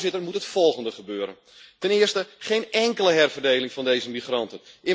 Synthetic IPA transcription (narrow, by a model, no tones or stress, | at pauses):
zɪtərmutɦətfɔlˠχəndəχəbøːɾə̰n | tɛnɪərstəχejnɛŋkələɦɛrvərdejlɪŋfɑndejzəmiχrɑntənʔɪ